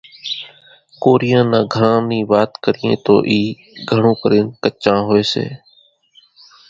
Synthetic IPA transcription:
koːɾijãːnãːɡʱəɽãːniːʋaːt̪kəɾiːḛ̃ːt̪o̰ːʔiː | ɡʱəɳõːkəɾeːnkət͡ʃãːɦoːeːsḛː

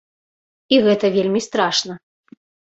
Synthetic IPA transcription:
iɣɛt̪ɐvʲelʲmʲist̪ɾaʂnɐ

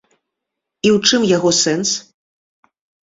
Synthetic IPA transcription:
iwt͡ʂɨmjaɣɔsɛns

